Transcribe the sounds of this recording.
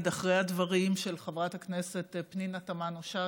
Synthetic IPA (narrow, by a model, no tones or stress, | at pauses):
d̪aχʁejadvaʁimʃelχevʁathaknese̞t̪pninatamanoʃa